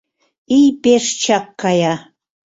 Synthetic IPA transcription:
ijpeʂt͡ʃakːaja

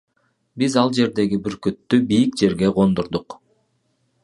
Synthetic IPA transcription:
bizɑlˠd͡ʒe̞ɾd̪e̞ɡibiɾkøt̪ːybijik̚d͡ʒe̞ɾɡe̞ʁo̞nd̪oɾd̪ʊq

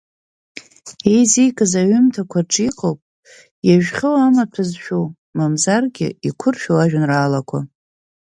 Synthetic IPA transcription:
ejzijkʼazaɥʏmtʰakʷʰarʈ͡ʂʼiqʼowpʼ | jaʒᶣχʲɨwamatʰɨzʃᶣow | mamzarɡʲɪ̰ikʷʰʊrʃᶣowaʒᶣanraːlakʷʰa

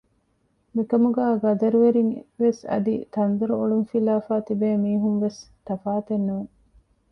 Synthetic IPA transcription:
mikɐmuɡæːɡɐd̪ɐɾuʋeɾiŋʋesɐ̰d̪it̪ɐnd̪uɾuoɭuŋfilaːfaːt̪ibeːmiːɦumʋes | t̪ɐfaːt̪enːuːŋ

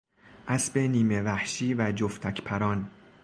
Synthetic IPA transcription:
ʔæsbe̞niːme̞væhʃiːvæd͡ʒoft̪ʰæcʰpʰæɾɒːn

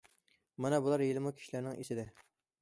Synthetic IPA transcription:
mɛnɛbulˠɑɾjelˠɪmukʲʰi̥ʃilæɾnɪŋesɪd̪ɪ

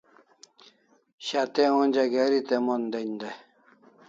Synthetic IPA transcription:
ɕat̪eonʲd͡ʑaɡeɾit̪emond̪end̪e

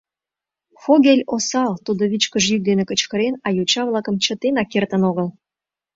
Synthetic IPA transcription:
xoɣelʲosɑlt̪ud̪oβit͡ɕkəʒjyk̚d̪enekə̆t͡ɕkə̆ɾenɑjut͡ɕɑβlˠɑkə̆mt͡ɕə̆t̪enɑkert̪ə̆noɣəl

